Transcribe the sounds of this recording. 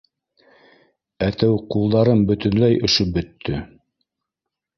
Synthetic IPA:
æt̪æwqulˠd̪ɑɾɤnbɵ̆t̪ɵ̆nlæjʔɵ̆ʃobɵ̆t̪ʰːɵ

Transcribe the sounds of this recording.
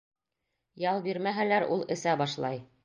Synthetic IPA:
jɑlˠbiɾmæɦælæɾṵlˠɘ̆sæbɑʃlˠɑj

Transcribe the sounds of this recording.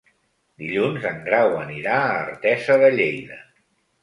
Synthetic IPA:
d̪iʎunzəŋɡɾawəniɾaərt̪ɛzəðəʎejðə

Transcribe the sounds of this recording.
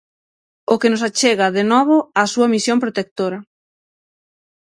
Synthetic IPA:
ʊkenʊsat͡ʃeɣɐðenɔβ̞ʊasuɐmisjompɾot̪ek̚t̪oɾɐ

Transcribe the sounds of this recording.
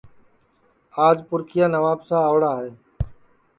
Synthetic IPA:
aːd͡ʒpʊɾkʰɪjaːnəʋaːbsãːəːɽaːɦeː

